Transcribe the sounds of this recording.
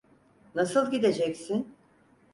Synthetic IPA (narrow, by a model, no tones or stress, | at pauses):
nasɯlˠɟid̪e̞d͡ʒɛcsin